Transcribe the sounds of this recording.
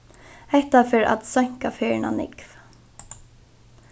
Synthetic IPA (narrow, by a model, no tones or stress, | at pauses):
ɛht̪afɪɾa̰t̪sœɲ̥kafeːɹna̰nɪ̰kv̥